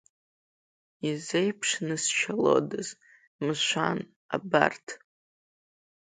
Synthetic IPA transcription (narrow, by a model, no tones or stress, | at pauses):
izejpʰʂnɨst͡ʃʰalo̞̰dɨz | mɨʃʷan | a̰ba̰rtʰ